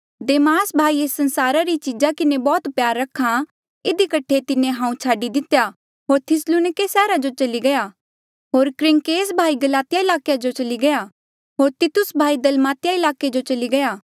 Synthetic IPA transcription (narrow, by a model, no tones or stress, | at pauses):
d̪eːmaːsbʱaːieːsːɐ̃nsaːɾaɾit͡ʃid͡ʒakɪnebɔːt̪pjaːɾːɐkʰːa | ɪd̪ikɐʈʰet̪ɪnẽɦãːũt͡ʃʰaːɖid̪ɪt̪eja | ɦoːɾt̪ʰɪsluːnɪkesɛːɾad͡ʒot͡ʃɐliɡɐja | ɦoːɾkɾɪ̃ŋkeːsbʱaːiɡɐlaːt̪ɪjaɪlaːkejad͡ʒot͡ʃɐliɡɐja | ɦoːɾt̪ɪt̪ʊsbʱaːid̪ɐlmaːt̪ɪjaɪlaːked͡ʒot͡ʃɐliɡɐjaː